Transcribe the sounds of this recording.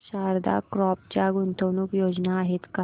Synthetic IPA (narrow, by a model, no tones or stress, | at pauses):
ɕaɾd̪a̰kɾɔp̚t͡ɕjaɡunt̪ʰəwnuːkjod͡ʑnaːɦet̪ka